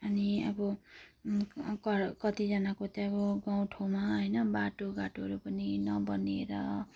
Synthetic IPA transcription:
ʌniʌbʌ | kʌkʌt̪id͡zʌnakot̪eʌbʌɡaw̃ʈʰomaɦʌjnʌbaʈoɡaʈoɦʌɾupʌninʌbʌneɾʌ

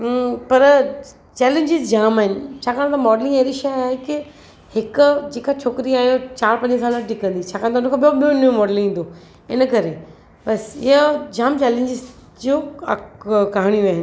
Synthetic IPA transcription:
pɐɾ | t͡ɕɛːlẽɲd͡ʑɪzd͡ʑaːmaːɦɪnɪ̆t͡ɕʰaːkaːɽ̃t̪ɐmɔːɖlɪ̃ŋeɾiʃaːɦekɪ | hɪkʊd͡ʑeːkat͡ɕʰoːkɾiaːɦijot͡ɕaːɾpɐ̃ɲd͡ʑə̃s̬aːlaʈɪkə̃nd̪it͡ɕʰaːkaːɽ̃t̪aʊnkʰaːɓijoɓijonijumɔːɖlɪ̃ŋĩːn̆d̪o | ɪnəkɐɾe | bɐsɪ̰ɦəd͡ʑaːmt͡ɕɛːlẽɲd͡ʑɪz | d͡ʑo̰ː | kaɦaɽ̃ijoaːɦɪnɪ̆

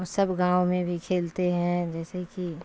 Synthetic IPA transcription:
səbɡãːwmẽbʱikʰeːlt̪eɦɛ̃d͡ʒɛːseki

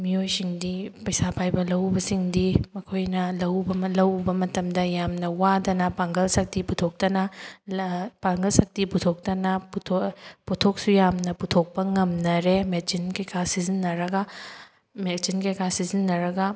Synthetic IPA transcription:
miojsiŋdipɐjsapʰajbɐlɐwbɐsiŋdimɐkʰojnɐlɐwbɐlɐwbɐmɐtɐmdɐjamnɐwadɐnɐpaŋɡɐlsɐk̚tiputʰok̚tɐnɐ | paŋɡɐlsɐk̚tiputʰok̚tɐnɐptʰoputʰok̚sujamnɐputʰok̚pɐŋɐmnɐɾemed͡ʒinkejkʰasizinːɐɾɐɡɐ | med͡ʒinkejkʰasizinːɐɾɐɡɐ

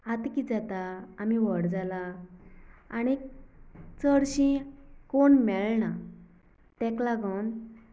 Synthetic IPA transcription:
ɦat̪kid͡zat̪aːmiʋəɽd͡zala | ani | t͡səɽɕĩkoɳmɛɭna | t̪ɛ̃klaɡən

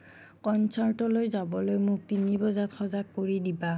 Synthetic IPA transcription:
kɔnsʰaɹtɔlojzabɔlojmʊk̚tinibɔzatxɔzakːoɹidiba

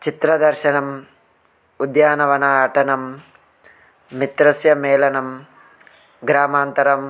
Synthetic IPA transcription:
t͡ʃit̪ɾɐd̪ɐɾʃɐnɐm | ud̪jaːnɐʋɐnaːʈɐnɐm | it̪ɾɐsjɐmeːlɐnɐm | ɡɾaːmaːnt̪ɐɾɐm

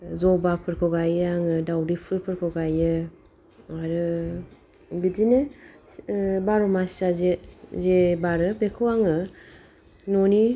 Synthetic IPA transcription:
zɔbapʰɯɾkʰɔɡajaŋɯdawdipʰɯɾpʰɯɾkʰɔɡajɯ | aɾɯ | bidine | baɾɔmasazezebaɾɯbekʰɯwaŋɯ | nɔni

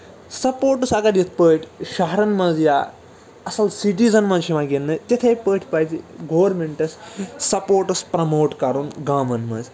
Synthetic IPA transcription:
sɐpoːʈɐsɐɡɐɾjit̪ʰpəːʈʰʲʃɐɦɐɾɐnmɐ̃nzjaː | ɐsɐlsiʈiːzɐnmɐ̃nzʃʰiʋãːɡenːɨt̪et̪ʰejpəːʈʰʲpɐːt͡ʃiɡoːɐɾmeɳʈɐssɐpoːʈɐspɾɐmoːʈkɐɾunɡaːmɐnmɐ̰̃nz

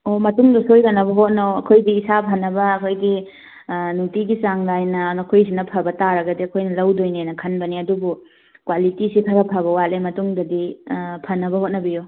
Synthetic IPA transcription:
omɐtuŋdɐsojkɐnːɐbɐɦot̚naɐkʰojdiːsapʰɐnːɐbɐːkʰojɡi | nutiɡisaŋlajnɐnɐkʰojsinɐpʰɐbɐtaɾɐɡɐdiɐkʰojnɐlɐwdojnenɐkʰɐnbɐniɐdubu | kwalitisitʰɐɾɐpʰɐβɐwalemɐtuŋdɐdipʰɐnːɐbɐhot̚nɐbijo

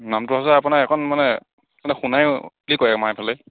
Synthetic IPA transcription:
namtʊɦasɛapunakɛkʰɔnmanɛ | manɛxunaj | likɔjɛkmajpʰalɛ

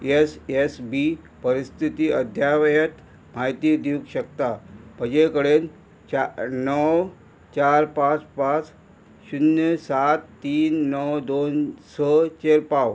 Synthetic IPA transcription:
esesbi | pəɾist̪ʰit̪iːəd̪ʱjaʋjət̪ | m̤ajt̪iːd̪jukɕək̚t̪apəd͡ʑekəɽen | anəw | t͡ɕaɾpãt͡spãt͡s | ɕunjəsat̪ːiːnːəwd̪onsət͡ɕeɾpaw

